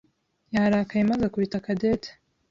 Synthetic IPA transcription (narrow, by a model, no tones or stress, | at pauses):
jaɾaːkajemazakuɾitakadetʰḁ